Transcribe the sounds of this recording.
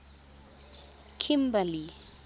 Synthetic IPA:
kʰimbali

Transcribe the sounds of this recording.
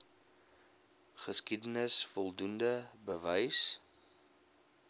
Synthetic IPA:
χəskidənəsfɔlˠdundəbəvəjs

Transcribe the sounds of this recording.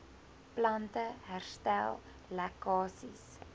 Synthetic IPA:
plɐntəɦærstælˠ | lækɑːsis

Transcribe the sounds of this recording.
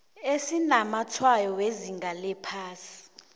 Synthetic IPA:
esinamatʰwajɔweziŋɡʱalɛpʰaːsi̥

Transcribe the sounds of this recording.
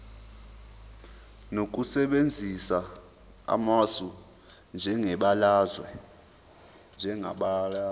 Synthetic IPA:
nok̬ʼusɛɓend͡zʱisa | a̰masu | nd͡ʒʱɛŋɛɓalazwɛ | nd͡ʒʱɛŋa̰ɓala

